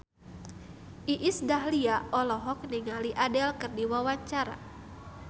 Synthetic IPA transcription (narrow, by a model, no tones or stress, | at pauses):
ʔiʔisdaɦliaɔlɔɦɔk̚niŋaliʔadɛlkɨrdiwawaɲt͡ʃaɾa̰